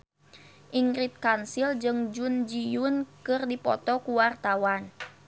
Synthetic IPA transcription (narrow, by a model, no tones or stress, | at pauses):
ʔiŋɾit̪̚kansild͡ʒɨŋd͡ʒund͡ʒijʊnkɨrdipɔ̰t̪ɔkuwart̪awan